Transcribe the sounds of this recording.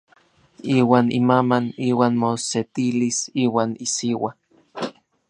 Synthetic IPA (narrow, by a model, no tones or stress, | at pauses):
iːwaːnimamaniːwaːnmoset̪ilisiːwaːnisiwa